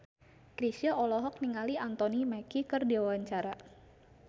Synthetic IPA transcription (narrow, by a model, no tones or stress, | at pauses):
kɾisiaɔlɔɦɔk̚niŋaliant̪ɔnimakikərdiwawaɲt͡ʃaɾa